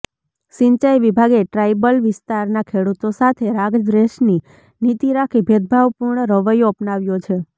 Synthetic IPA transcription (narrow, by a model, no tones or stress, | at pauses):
ʃĩɲt͡ʃajʋibʱaɡeʈɾajbəlʋɪst̪aɾnakʰeɽut̪osat̪ʰeɾaɡd͡ʒɾeʃni | nit̪iɾakʰibʱed̪̚bʱaʋpuɾɳəɾəʋəjoəpnaʋjot͡ʃʰe